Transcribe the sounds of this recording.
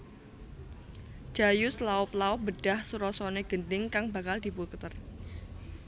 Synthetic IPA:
d͡ʒ̥ajʊslaʊplaʊbədɖ̥ahsuɾɔsɔneɡ̥əndɪŋkaŋbakald̪ipukt̪ər

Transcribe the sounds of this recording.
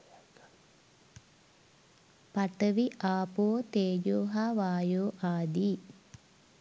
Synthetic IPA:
paʈəʋiʔaːpoːt̪eːjoːɦaʋaːjoːʔaːd̪iː

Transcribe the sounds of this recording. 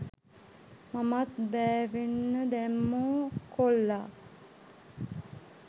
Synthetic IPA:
mamat̪bæːʋenːəd̪æmːoːkolːa

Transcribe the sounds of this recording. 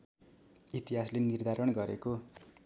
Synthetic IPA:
it̪iɦaslenird̪ʱaɾʌɽɡʌɾeko

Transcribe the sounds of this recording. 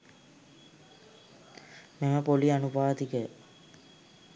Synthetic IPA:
meməpolianubaːt̪ikə

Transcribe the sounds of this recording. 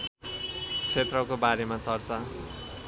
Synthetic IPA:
t͡sʰet̪rʌkobaɾemat͡sʌrt͡sʌ

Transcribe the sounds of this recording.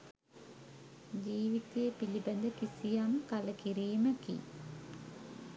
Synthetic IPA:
d͡ʑiːʋit̪jepilibɐnd̪əkisijamkaləkiɾiːməkḭ

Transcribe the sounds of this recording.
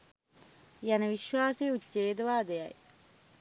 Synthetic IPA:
janəʋiʃʋaːseːut͡ʃeːd̪əʋaːd̪ejɐj

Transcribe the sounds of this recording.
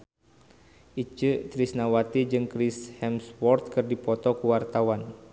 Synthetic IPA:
ʔit͡ʃɨt̪ɾisnawat̪id͡ʒɨŋkɾishɛmswɔrt̪̚kɨrdipɔt̪ɔkuwart̪awan

